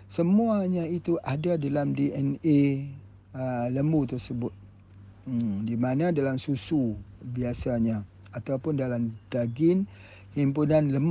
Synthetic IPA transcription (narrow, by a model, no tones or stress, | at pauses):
səmuaɲãit̪uʔadadalamdiɛne | ələmut̪ərsəbʊt̪̩̚ | dimanãdalamsusubiasaɲã | at̪awpʊndalamdaɡɪn | himpunãnləm